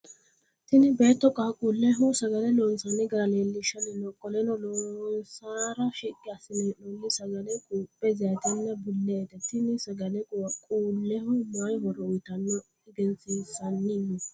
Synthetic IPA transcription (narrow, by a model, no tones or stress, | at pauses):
t̪ɪnɪbeːt̪ːɔkʼːakʼuːlːɛɦʊsɐɡɐnɛlɔnsɐnɪɡɐɾɐleːlːɪʃɐnːɛnɔkʼːɔlɛnɔlɔnsaːɾɐʃikʼːɪɐsɪnɛnɔnːɪsɐɡɐnɛkʼuːpʼːɛzaːt̪ɛnːɐbʊlːɛːt̪ɛt̪ɪnɪsɐɡɐnɛkʼkʼuːlːɛhʊmajɦɔɾɔʊjt̪ɐnːɔ | ɪɡɛnsiːsɐnːɪmːɪ